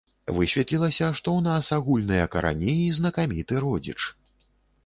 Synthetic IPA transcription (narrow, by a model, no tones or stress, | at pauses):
vɨsʲvʲɛt̪lʲilˠɐsʲɐʂt̪ɔwnasaɣulʲnɨjɐkɐɾʔa̰nʲiːznɐkamʲit̪ɨɾɔd͡zʲḭt͡ʂ